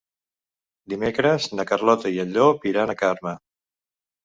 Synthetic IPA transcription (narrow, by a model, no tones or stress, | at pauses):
d̪imekɾəznəkərlɔt̪əiəʎopiɾanəkaɾmə